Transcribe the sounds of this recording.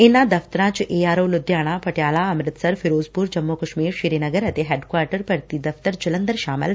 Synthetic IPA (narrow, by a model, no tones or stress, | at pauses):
enːad̪ɐft̪əɾãt͡ʃʔeaːɾoːlud̪jaːɽ̃ãpɐʈjaːlaəmɾɪt̪səɾfʰiɾoːd͡zpuɾd͡ʒəmːokɐʃmiːɾʃiɾenəɡəɾɐt̪eɦeɖkʋaːɾʈəɾpəɾt̪iːd̪ɐft̪əɾd͡ʒɪlənd̪əɾʃaːmə̰l